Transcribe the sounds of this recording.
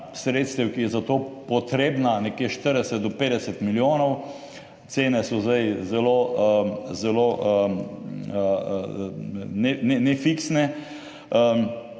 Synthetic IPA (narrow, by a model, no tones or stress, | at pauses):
sɾeːt̪st̪ɛwkijɛzat̪oːpɔt̪ɾeːbnanɛkjeʃt̪əɾd̪ɛsɛt̪̚d̪ɔpeːd̪ɛsɛt̪miljoːnɔw | t̪seːnɛsɔzd̪ajzɛloəzɛloː | nɛnɛnɛfiksnɛ